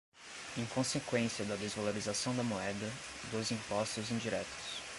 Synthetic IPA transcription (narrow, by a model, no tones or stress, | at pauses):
ẽj̃kõsekwẽsiɐd̪ɐd̪ezvaloɾizasɐ̃w̃d̪ɐmoɛd̪ɐ | d̪ʊzĩpɔst̪ʊzĩd͡ʒiɾɛt̪ʊ̥s